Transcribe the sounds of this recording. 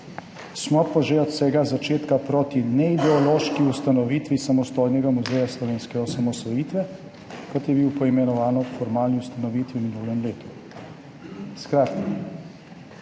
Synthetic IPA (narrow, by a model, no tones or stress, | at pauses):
smɔpɔʒɛɔt̪sɛɡazat͡ʃeːt̪kapɾoːt̪inɛid̪ɛɔloːʃkiust̪anɔʋiːt̪ʋisamɔst̪ojnɛɡamuzɛjaslɔʋeːnskɛɔsamɔsɔjiːt̪ʋɛ | kɔt̪jɛbiwpɔimɛnɔʋaːnɔfɔɾmaːlniust̪anɔʋiːt̪ʋiwminuːlɛmleːt̪u̥ | skɾaːt̪ka